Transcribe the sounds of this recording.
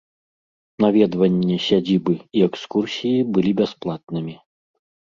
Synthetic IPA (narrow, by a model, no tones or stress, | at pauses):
navʲɛd̪vɐnʲːɛsʲad͡zʲibɨiɛkskursʲijibɨlʲibʲasplˠat̪̚nɨmʲi